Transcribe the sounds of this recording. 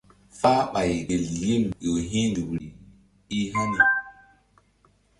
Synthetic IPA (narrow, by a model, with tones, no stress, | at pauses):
faː˦ɓa˨jɡe˨lji˦mjo˨ɦĩ˦ndu˨wɾi˨ | i˦ɦa˦ni˨